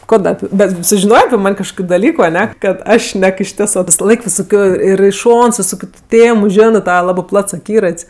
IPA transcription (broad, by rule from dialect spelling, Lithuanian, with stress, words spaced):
ˈkoː ˈdɐ ˈɑːpʲɪ bʲɛt sʊʒʲɪˈnoːjeː ɐpʲɪ ˈmɐnʲ kɐʃˈkoːkʲʊ dɐˈlʲiːkʊ ɐˈnʲɛ kɐt ˈɐʃ ˈʃʲnʲɛk ɪʃʲˈtʲɪsɜ ʋʲɪsɐˈlˠɐɪk ʋʲɪsoːˈkʲoːj ɪr ɪ ˈʃoːns ʋʲɪˈsoːkʲʊ tʊ ˈtʲeːmʊ ˈʒʲæːnɜ ˈtɑːʋɐ ˈlˠɑːbɜ ˈplˠɐts ɐˈkʲiːrɐtʲsʲ